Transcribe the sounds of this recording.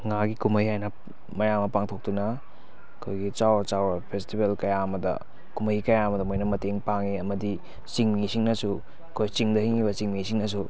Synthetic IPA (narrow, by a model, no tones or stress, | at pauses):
ŋaɡikumɐjhajnɐ | mɐjaŋmɐpaŋtʰok̚dunɐ | ɐkʰojɡit͡ʃawɐt͡ʃawɐpʰestibelkɐjaɐmɐdɐ̰ | kumɐjkɐjaɐmɐdɐmojnɐmɐteŋpaŋiɐmɐdi | t͡ʃiŋmisiŋnɐsu | ɐkʰojt͡ʃiŋdɐhiŋibɐt͡ʃiŋmisiŋnɐs̬u